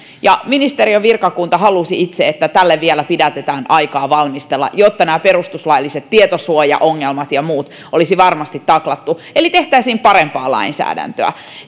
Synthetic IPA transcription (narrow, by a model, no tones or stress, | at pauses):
jɑminist̪eɾioʋirkɑkunt̪ɑɦɑlusiit̪seet̪ːæt̪ælːeʋʋielæpidæt̪et̪æːnʔɑikɑːʋɑlmist̪elːɑ̰jot̪ːɑnæːperust̪uslɑilːiset̪tːiet̪osuojɑ̰ʔoŋːelmɑt̪jɑmuːt̪ | olisiʋɑrmɑst̪it̪ːɑklɑt̪ːuelit̪e̞ht̪æisiːmpɑɾempɑːlɑ̰insæ̰ːdæ̰nt̪øæ̰